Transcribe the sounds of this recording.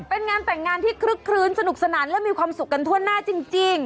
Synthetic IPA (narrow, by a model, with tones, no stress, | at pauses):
pe˧nŋaː˧nt̪ɛ˨˩ŋːaː˧nt̪ʰiː˥˩kʰɾɯ˦˥kʰːɾɯː˧˥nsa˧nu˨˩k̚sa˧naː˩˦nlɛ˦˥miː˧kʰwaː˧msu˨˩k̚ːa˧nt̪ʰu˥˩ənːaː˥˩t͡ɕi˧ŋt͡ɕi˧ŋ